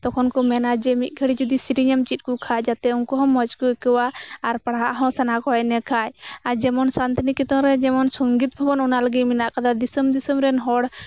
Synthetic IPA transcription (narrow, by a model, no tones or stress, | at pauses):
t̪ɔkʰɔnkɔmɛnad͡ʒɛmit̪̚ˀɡʰʱəɽid͡ʒɔd̪isiɾiɲamt͡ʃit̪̚kukʰad͡ʒat̪ɛunkɔɦɔ̃mːɔd͡ʒkuɛkɛwaːɾpaɽaʔɦɔ̃sanakɔɔjnɛkʰajaɾd͡ʒɛmɔnsant̪inikit̪ɔ̃ɾɛd͡ʒɛmɔnsɔŋɡit̪̚bʱɔbɔnɔnaləɡiminaʔkad̪ad̪isɔmd̪isɔmɾɛnɦɔɽ